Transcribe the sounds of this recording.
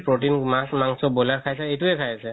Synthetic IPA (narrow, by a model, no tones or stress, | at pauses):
pɹotinmasmaŋsɔbɔlaɹkʰajsɛejtuɛkʰajasɛ